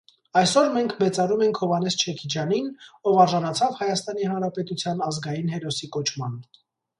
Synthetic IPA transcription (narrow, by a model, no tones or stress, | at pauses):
ɑjsɔɾmɛŋkʰmɛt͡sɑɾumɛŋkʰhɔvɑnɛst͡ʃʰɛkʰid͡ʒjɑninɔvɑɾʒɑnɑt͡sʰɑvhɑjɑst̪ɑnihɑnɾɑpɛt̪ut͡sʰjɑnɑzɡɑjinɦɛɾɔsikɔt͡ʃʰmɑn